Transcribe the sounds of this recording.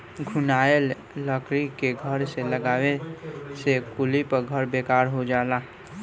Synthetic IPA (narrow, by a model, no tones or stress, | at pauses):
ɡʱʊnaːel | ləkɾikeɡʱəɾseləɡaːwesekulipəɡʱəɾbekaːɾɦod͡ʒaːlaː